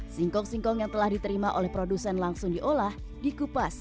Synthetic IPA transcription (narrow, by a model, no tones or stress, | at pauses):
siŋkɔŋsiŋkɔŋjaŋt̪əlahdit̪əɾimaʔolɛhpɾodusɛnlaŋsʊŋdiʔolah | dikupas